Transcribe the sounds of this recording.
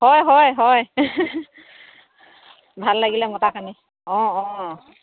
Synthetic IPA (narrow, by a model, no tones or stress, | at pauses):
hɔjɦɔjɦɔj | bʱalːaɡilɛmɔtakani | ɔ̃ɔ̃